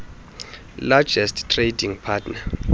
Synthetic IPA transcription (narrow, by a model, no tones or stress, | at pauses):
lad͡ʒɛsttʰrediŋpʰatʰna